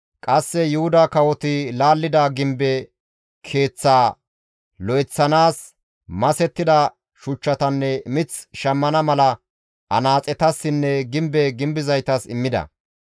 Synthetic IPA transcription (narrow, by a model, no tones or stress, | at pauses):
kʼɐsːɛjʊhʊd̪akɐwɔt̪ɪlaːlːɪd̪ɐɡɪmbɛ | kʰe̞ːt͡sːaː | lɔjɪt͡sːɐnaːs | mɐsɛt̪ːɪd̪ɐ | ʃʊt͡ʃːɐt̪ɐnːɛmɪt͡sʃɐmːɐnɐmɐlɐ | ʔɐ̰naːt͡sʼɛt̪ɐsːɪnːɛɡɪmbɛɡɪmbɪzɐjt̪ɐsɪmːɪd̪ɐ̰